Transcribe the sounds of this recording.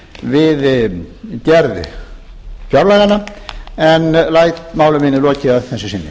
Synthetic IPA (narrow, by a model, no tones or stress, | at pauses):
vɪð | cɛɾð̰ | fjawɾlaɣanaɛnlaːjt̪maːwlʏmɪnːɪlɔːcɪaðθɛsːɪsɪnːɪ̰